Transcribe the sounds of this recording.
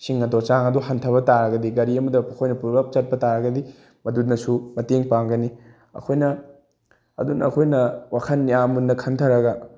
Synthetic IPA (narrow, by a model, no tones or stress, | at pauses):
siŋːɐdot͡ʃaŋɐduɦɐntʰɐbɐtaɾɐɡɐdiɡɐɾiɐmɐdɐɐkʰojnɐpuɾbap̚t͡ʃɐt̚pɐtaɾɐɡɐdi | mɐdut̚nɐsumɐteŋpaŋɡɐni | ɐ̰kʰojnɐ | ɐ̰dunɐːkʰojnɐwakʰɐnːiamunːɐkʰɐntʰɐɾɐɡɐ